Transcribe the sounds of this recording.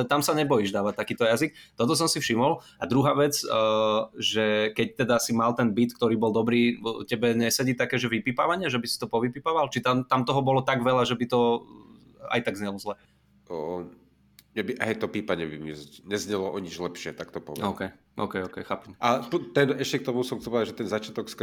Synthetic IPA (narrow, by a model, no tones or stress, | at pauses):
ɛt̪amsaɲɛbɔjiʒd̪aːʋat̪ːakiːt̪ɔjazik̚t̪ɔt̪ɔs̬ɔmsifʃimɔl | ad̪ɾuɦaːʋɛt͡sː | ʒɛkɛc̚t̪ɛd̪asimalt̪ɛnbit̪kt̪ɔɾiːbɔld̪ɔbɾiːcɛbɛɲɛsɛɟit̪akɛːʒɛʋipiːpa̰ʋaɲɪaʒɛbisi̥t̪ɔpɔʋipiːpaːʋalt͡ʃit̪amt̪amt̪ɔɦɔbɔlɔt̪aɡʋɛlaʒɛbit̪ɔ | a̰jt̪aɡzɲɛlɔzlɛː | ɲɛbiʔɦɛjt̪ɔpiːpaɲɛbimizɲɛzɲɛlɔʔɔɲid͡ʒlɛpʃɪɛt̪akt̪ɔpɔ̰ʋɔ̰ʊkɛj | ʔɔ̰ːkɛjɔkɛjxaːpɛmapt̪ɛnɛʃcɛk̚t̪ɔmusɔmkt̪ɔpɔaʒɛt̪ɛnzat͡ʃɪat̪ɔksk